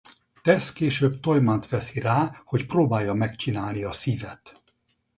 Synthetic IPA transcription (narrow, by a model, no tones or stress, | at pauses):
t̪ɛskeːʃøːbt̪o̞jmant̪ʋɛsiraːho̞cproːbaːjːɒmɛkt͡ʃinaːlniɒsivɛt̪